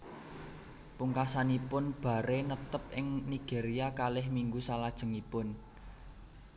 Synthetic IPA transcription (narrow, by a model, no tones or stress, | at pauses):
puŋkasanipʊnb̥a̤ɾenət̪əp̚ʔɪŋniɡ̥e̤ɾiakalɪhmiŋɡusalad̥ʒ̥ə̤ŋipʊn